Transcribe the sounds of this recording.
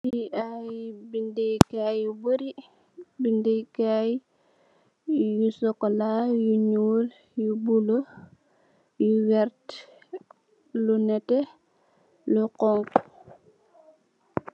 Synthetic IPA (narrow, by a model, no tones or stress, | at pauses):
iʔajbindikajjubəɾi | bindikaj | jusɔkːɔlajuɲuːl | jubulo | juwɛɾt | lunɛtɛ | luqɔŋk